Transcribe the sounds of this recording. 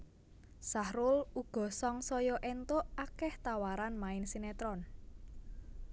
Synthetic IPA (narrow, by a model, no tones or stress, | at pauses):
sahɾʊluɡ̥ɔ̤sɔŋsɔjɔʔɛnt̪oʔakɛht̪awaɾanmaɪnsinɛt̪ɾɔn